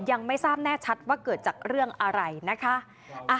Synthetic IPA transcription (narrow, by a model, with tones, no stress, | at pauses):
ja˧ŋma˥˩jsaː˥˩p̚nɛː˥˩t͡ɕʰa˦˥t̪̚waː˥˩kɤː˨˩t̪̚t͡ɕaː˨˩k̚ɾɯ˥˩əŋʔa˧ɾa˧jna˦˥kʰa˦˥ʔ | ʔa˧